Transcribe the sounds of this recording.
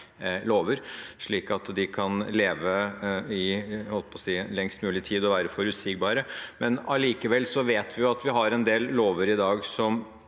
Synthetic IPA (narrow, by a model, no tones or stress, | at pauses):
loːʋəɾʂɭiːkɑt̪d̪ɪkʰɑnleːʋəɪhɔlpʰɔsiːlɛŋst̪mʉːlɪt̪ʰiːd̪ɔʋæːɾəfɔɾʉsik̚bɑːɾəmɛnɑliːkəʋɛlːsɔʋeːt̪ʋɪjʊɑt̪ʋɪɦɑɾɛnd̪eːlloːʋəɾɪd̪ɑːɡsɔm